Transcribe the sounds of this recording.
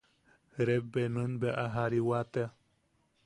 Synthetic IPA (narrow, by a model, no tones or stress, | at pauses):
ɾebːenɨ̃nbeʔaɦaɾiwat̪ea